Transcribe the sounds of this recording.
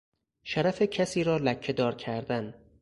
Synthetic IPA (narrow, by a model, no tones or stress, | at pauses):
ʃæɾæfecʰæsiːɾɒːlækʰːe̞d̪ɒːɾcʰæɾd̪æn